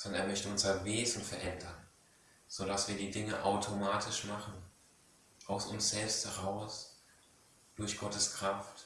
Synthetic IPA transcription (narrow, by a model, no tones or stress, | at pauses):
z̥ɔneːɐmœçtəʊnzɐveːzn̩fɛɐʔɛndɐn | z̥odasv̥iːɐdiːdɪŋəʔaʊtʰomaːtʰɪʃmaχn̩ | ʔaʊsʊnsz̥ɛlpsthɛʁaʊs | d̥ʊɐçɡ̥ɔtəskʁ̥aft